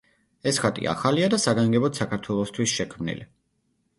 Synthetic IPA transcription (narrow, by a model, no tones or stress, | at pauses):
ɛsχat̪ʼḭa̰χaliad̪asaɡaŋɡɛbɔt̪sakʰaɾt̪ʰwɛlˠɔst̪ʰwisʃɛkʰmnḭli